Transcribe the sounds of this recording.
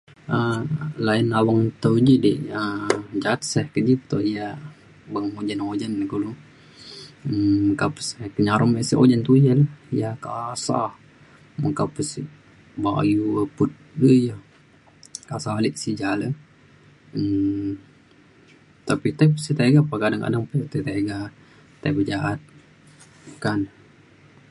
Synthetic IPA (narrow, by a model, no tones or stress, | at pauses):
əlainawaŋt̪əwd͡ʒidiʔəd͡ʒat̪sɛhkəd͡ʒit̪ɔhija | bəŋod͡ʒanod͡ʒanːɡulu | əməkapə̥sɛhkəɲaɾmɛʔsiʔo̰d͡ʒant̪ujalaijakasa̰h | məkapəsiʔ | ba̰juəput̪̚ɾəjəh | kasalɪʔsid͡ʒalə | ə | t̪apit̪ajpəsit̪aɡapakadaŋka̰daŋpaət̪at̪aɡa | t̪a̰jbəd͡ʒaʔat̪̚ | kan